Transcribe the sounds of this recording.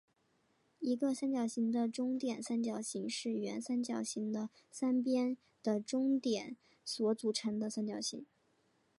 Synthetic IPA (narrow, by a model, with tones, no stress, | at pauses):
i˧˥ɡə˧sa˥nt͡ɕjɑ˨˩ʊɕi˧˥ŋd̪ə˧ʈ͡ʂʊ˥ŋt̪jɛ˨˩nsa˥nt͡ɕjɑ˥˩ʊɕi˧˥ŋʂɻ̩˥˩ɥɛ̰˧˥nsa˥nt͡ɕjɑ˨˩ʊɕi˧˥ŋd̪ə˧ | sa˥np̬jɛ˥n | d̪̥ə˨ʈ͡ʂʊ˥ŋt̪jɛ˨˩˦n | swɔ˧˥t͡su˨˩ʈ͡ʂʰə˧˥ŋd̪ə˧sa˥nt͡ɕjɑ˨˩ʊɕḭ˧˥ŋ